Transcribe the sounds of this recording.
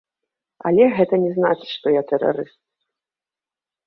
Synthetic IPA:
a̰lʲɛɣɛt̪ɐnʲɛzna̰t͡ʂɨʂt̪ɔjat̪ɛra̰ɾɨst̪̚

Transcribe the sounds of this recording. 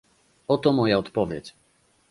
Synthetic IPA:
ɔt̪ɔmɔjaɔt̪pɔvʲjɛ̰t͡ɕ

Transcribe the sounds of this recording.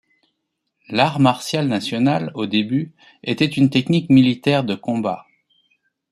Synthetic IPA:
laʁmaʁsjalnasjɔnalod̪eby | et̪ɛt̪ynt̪ɛknikmilit̪ɛʁd̪əkɔ̃ba̰

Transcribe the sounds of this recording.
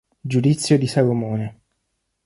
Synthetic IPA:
d͡ʒud̪it̪sːjod̪isalomoːne

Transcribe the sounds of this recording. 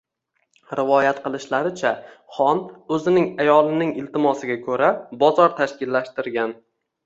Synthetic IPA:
ɾɪvɒjat̪qɨlˠɪʃlaɾɪt͡ʃʰa | χɒnɵzɪnɪŋajɒlˠɪnɪŋɪlt̪ɪmɒsɪɡʲakʰɵɾabɒzɒɾt̪ʰaʃkʲɪlːaʃt̪ɪɾɡʲan

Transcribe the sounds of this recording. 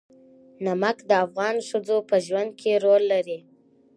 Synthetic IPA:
namakd̪əafɣɑnʃəd͡zopəʒwand̪̚kʰeɾolːaɾi

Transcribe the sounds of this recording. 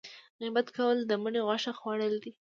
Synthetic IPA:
ɣibat̪kawəld̪əməɳeɣaʃaxwɑɽəld̪i

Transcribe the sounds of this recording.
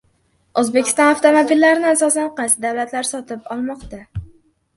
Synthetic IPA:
ozbekʲʰɪ̥st̪ɒnaft̪ʰomobilːaɾɪnɪasɒsanqɑjsɪd̪avlat̪laɾsɒt̪ʰɪpɒlˠmɒqt̪a

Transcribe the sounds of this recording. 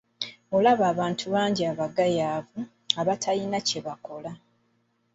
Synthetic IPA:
olaβaːβaːntʰuβaːɲɟiaβaɡajaːvu | aβatʰalinaceβako̞la

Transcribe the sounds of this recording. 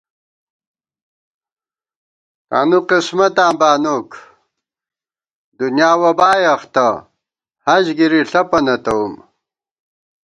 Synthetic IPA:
ka̰ːnuqismɐt̪aːbaːnok | d̪unjaːwɐbaːjɐxt̪ɐ | hɐʑɡiɾiɬɐpɐnɐt̪ɐum

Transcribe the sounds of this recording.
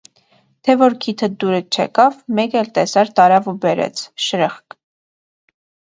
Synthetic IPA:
t̪ʰɛvɔɾkʰit̪ʰəd̪uɾət͡ʃʰɛ̰kɑvmɛkɛlt̪ɛsɑɾt̪ɑɾɑvubɛɾɛ̰t͡sʰʃəɾəχk

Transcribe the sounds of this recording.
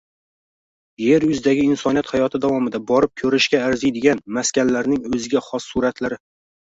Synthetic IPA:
je̞ɾjʊzɪd̪aɡʲɪɪnsɒnijat̪hajɒt̪ʰɪd̪avɒmɪd̪abɒɾɪp̚kʰɵɾɪʃkʲaːɾzɪjd̪ɪɡʲanmaskʲanlaɾnɪŋɵzɪɡʲaχɒsːuɾat̪ʰlaɾɪ

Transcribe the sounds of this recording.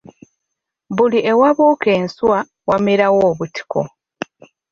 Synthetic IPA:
βuliʔe̞waβuːke̞ːnswa | wamiɾawoːβuti̥kʰo̰

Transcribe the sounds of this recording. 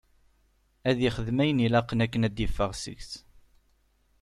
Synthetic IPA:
æðjiχəðmæjənilɑqːənækːənæd̪jəfːəʁsə̰ʝθ

